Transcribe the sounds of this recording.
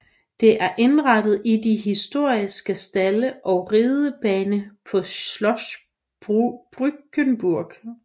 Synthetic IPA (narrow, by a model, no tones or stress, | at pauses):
d̥e̝ʔæɐʔe̝nʁɑd̥ð̞̩ˠid̥iɦisd̥o̝ɐ̰isɡ̥əsd̥æləʔɒ̽ʊʁeːðˠəb̥ɛːnəpʰɒ̽lɒs | b̥ʁub̥ʁyɡ̥ənb̥uɐɡ̥